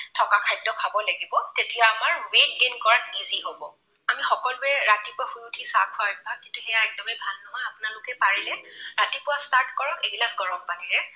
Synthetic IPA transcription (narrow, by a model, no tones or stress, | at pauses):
tʰɔkakʰajdɔkʰabɔlaɡibɔtetijaːmaɹwek̚ɡenkɔɹatniziɦobɔ | amixɔkɔlʊɛɹatipʊaxujutʰisakʰɔaɹbakintuhɛjaɛk̚dɔmɛbʱanɔmaapʊnalʊkɛpaɹilɛɹatipʊwastaɹt̚kɔɹɔkɛɡilazɡɔɹɔmpatilɛ